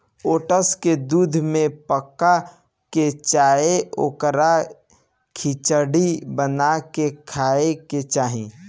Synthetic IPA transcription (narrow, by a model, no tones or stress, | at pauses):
oːʈəsked̪uːd̪ʱmẽpəkːa | ket͡ʃaːeo̰ːkəɾa | kʰit͡ʃəɽibənakekʰaːeket͡ʃaːɦĩː